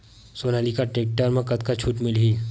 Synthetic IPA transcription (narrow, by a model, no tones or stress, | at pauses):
soːnaːlikaʈeːk̚ʈəɾmẽkɐt̪kat͡ʃʰuːʈmɪlɦiː